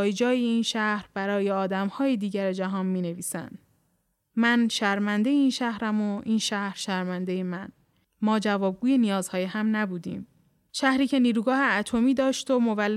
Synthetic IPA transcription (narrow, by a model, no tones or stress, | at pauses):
jd͡ʒɒːjeiːnʃæhɾbæɾɒːje̞ɒːd̪æmhɒːjed̪iːɟæɾed͡ʒæɦɒːnmiːne̞viːsæ̰nd̪̥ | mænʃæɾmænd̪ejeiːnʃæhɾæmoʔiːnʃæhɾ̥ʃæɾmænd̪ejemæn | mɒːd͡ʒævɒːb̚ɡuːje̞nijɒːz̥hɒːjehæmnæbuːd̪ḭːm | ʃæhɾiːcʰe̞niːɾuːɡɒːhe̞æt̪ʰo̞miːd̪ɒːʃt̪omovælː